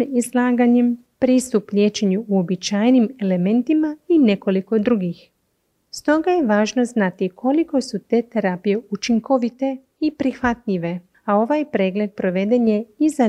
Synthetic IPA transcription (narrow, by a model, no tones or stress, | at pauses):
izlˠaːɡaɲem | pɾiːst̪upʎʲe̞ːt͡ʃe̞ɲuuo̞bit͡ʃaːjnime̞le̞me̞nt̪imaine̞ko̞liko̞d̪ɾuɡix | st̪o̞ɡajeʋaːʒno̞znat̪ikʰo̞liko̞sut̪e̞ːt̪e̞ɾapije̞ut͡ʃiŋko̞ʋit̪e̞ | ipɾixʋat̪ʎiʋe̞ | ao̞ʋajpɾe̞ːɡle̞d̪̚pɾo̞ʋe̞d̪e̞ɲje̞iza